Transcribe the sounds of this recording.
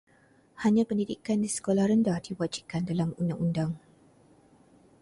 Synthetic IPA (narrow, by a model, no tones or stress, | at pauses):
haɲãpəndidikandisə̥kolahɾəndahdiwad͡ʒikandalamundaŋundaŋ